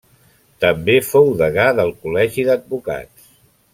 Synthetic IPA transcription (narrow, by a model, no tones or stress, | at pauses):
t̪əmbefowðəɣaðəlˠkulɛʒiðəd̪̚buka̰ts